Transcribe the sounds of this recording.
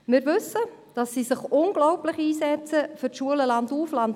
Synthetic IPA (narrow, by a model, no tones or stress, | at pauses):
mɪɾʋɵsə | d̥ɑsːisɪχʊnɡ̥lɔwplɪχiːsɛt͡səfʏɾʃuələlɑnduːflɑnd